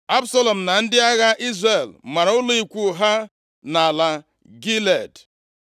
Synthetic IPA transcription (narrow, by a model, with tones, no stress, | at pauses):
a˦bsa˦lɔ˨m̩˨na˨n̩˦dɪ˦a˦ɣa˦ʔi˦zre˨lma˨ɾa˨ʊ˦li˨kʷu˦˨ɦa˦ | na˨la˨ | ɡi˦le˨d